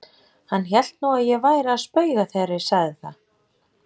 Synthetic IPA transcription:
hanːçɛl̥t̪nuwaðjɛvaːjɾaːðspœːɥɣaθejɾːɪ̥saɣðɪθa

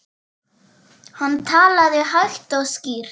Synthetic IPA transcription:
hant̪ʰaːlaðɪɦaɥht̪ɔɣsciːɾ̥

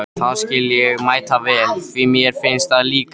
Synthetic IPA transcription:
θaðscɪljɛɣmaːjt̪avɛːlvɪmjɛɾ̥fɪnst̪aðliːk

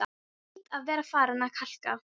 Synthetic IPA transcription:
t̪avɛːɾafaːɾanakʰaɬka̰

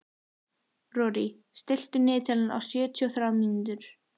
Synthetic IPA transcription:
rɔːɾi | st̪ɪl̥t̪ʏnɪːt̪ʰɛlna̰wsjɛːt̪ʰiɔθɾaːwmint̪ʏɾ̥

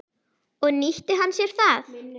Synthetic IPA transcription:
ɔɣniht̪ɪɦanːsjɛɾ̥θaθ

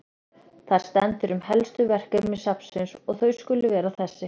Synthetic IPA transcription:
θaɾ̥st̪ɛnt̪ʏɾʏmhɛlst̪ʏvɛr̥kʏmːɛsapsʏnsɔɣθœɥskʏlːʏvɛːɾawθɛsːɪ

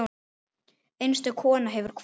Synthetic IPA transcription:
ejnst̪ʏkʰɔːnaɦɛvʏɾ̥kʰv

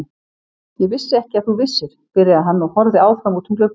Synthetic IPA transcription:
jɛɣvɪsːɪɛhcɪaθuvɪsːɪɾ̥pɪɾɪaɦanːɔɣhɔɾðɪaːwfɾamut̪ʰʏmk̪lʏɾ

